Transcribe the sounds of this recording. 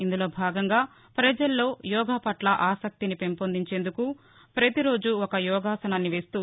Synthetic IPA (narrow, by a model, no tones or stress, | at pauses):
ind̪ulo̞ːbʱaːɡɐŋɡaː | pɾɐd͡ʒɐlːo̞ːjɔːɡʱaːpɐʈlɐʔaːsɐk̚t̪inipe̞mpond̪iɲt͡ʃe̞ːnd̪uku | pɾɐt̪iɾo̞ːd͡ʒuɔkɐjɔːɡaːsɐnɐnːiʋe̞ːst̪uː